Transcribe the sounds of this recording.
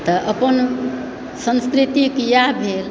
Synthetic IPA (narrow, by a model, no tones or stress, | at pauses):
t̪əʔəpən | sə̃nskɾit̪ikjabʱel